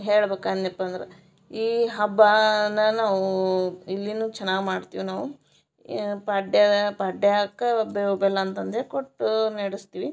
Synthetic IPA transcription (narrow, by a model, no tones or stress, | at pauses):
ɦeːɭbeːkanɐpːɐnd̪ɐɾḛ | iːɦɐbːanɐnaːʋuilːinuːt͡ʃɛnːaːɡmaːɖt̪iːʋinaːʋu | pɐɖjɐɐpɐɖeakːɐɐbeɦubɛlːɐːnt̪ɐnd̪ekoʈːneɽist̪iːʋi